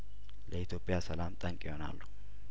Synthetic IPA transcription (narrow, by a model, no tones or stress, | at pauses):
lɛɪt̪jo̞pʼɪjasɐlaːmt̪ʼɐŋkʼɪhona̰ːlːʊ̥